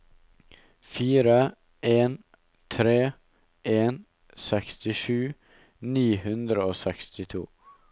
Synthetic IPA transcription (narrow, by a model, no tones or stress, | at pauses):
fiːɾə | ʔeːn | t̪ʰɾeː | ʔeːn | sɛkst̪ɪʃʉː | niːhʉnd̪ɾəoːsɛkst̪ɪt̪ʰṵː